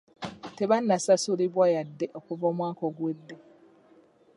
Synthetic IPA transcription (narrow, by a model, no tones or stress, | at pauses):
tebanːasasuɾibwajadːeʔokuvomwaːkoɡwedːe